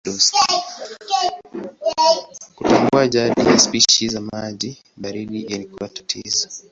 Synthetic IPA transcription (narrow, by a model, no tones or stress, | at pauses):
lus | kutaŋɡuaʄaɗḭjaspiʃizamaʄi | ɓaɾiɗiʔilikuwatḁtʰḭzɔ